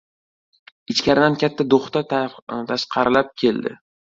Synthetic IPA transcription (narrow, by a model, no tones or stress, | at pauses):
ɪt͡ʃkʲaɾɪd̪ankʲat̪ʰːad̪oχt̪at̪ʰaʃqʰɑɾɪlap̚kʲʰe̞ld̪ɪ̰